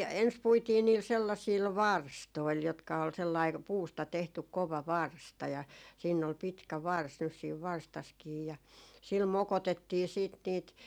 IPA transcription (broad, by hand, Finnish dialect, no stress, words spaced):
ens puitiː niːl selːɑsiːl ʋɑrstoil jotkɑ ol selːɑi puːstɑ tehtyk koʋɑ ʋɑrstɑ jɑ siːnː ol pitkæ ʋɑrs nys siːʋ ʋɑrstɑskiː jɑ sil mokotetːiː siːt niːt